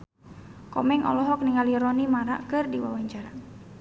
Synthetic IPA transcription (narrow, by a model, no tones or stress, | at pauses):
kɔmɛŋɔ̰lɔɦɔk̚niŋaliɾɔnimaɾa̰ʔkɨrdiwa̰waɲt͡ʃaɾa